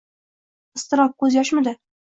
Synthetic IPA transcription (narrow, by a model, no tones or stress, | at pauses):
ɪst̪ɨɾɒp̚kɵzjɒʃmɪd̪ɪ